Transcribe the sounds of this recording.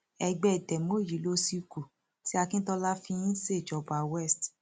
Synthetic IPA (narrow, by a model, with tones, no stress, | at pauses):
ɛ˧ɡ͡bɛ˦˨tɛ˨mo˦˨ji˨˦lo˧˦si˧ku˨ | ti˦a˧kĩ˦tɔ˧la˦fĩ˧ĩ˦se˦˨d͡ʒɔ˨˧˨ba˨wɛ˦˨st